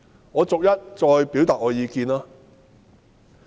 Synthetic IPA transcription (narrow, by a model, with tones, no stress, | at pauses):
ŋɔː˨˧t͡sʊ˨k̚jɐ˥t̚t͡ʃɔː˧jpiː˨˥wt̪aː˨t̚ŋɔː˨˧jiː˨˧kiː˧naː˥